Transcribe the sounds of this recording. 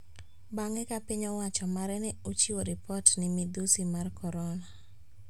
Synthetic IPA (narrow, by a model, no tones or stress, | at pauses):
baŋɛkapɪɲɔwat͡ʃɔmaɾɛnɛot͡ʃiwoɾɪpɔtnɪmid̪usimarkʰɔɾɔna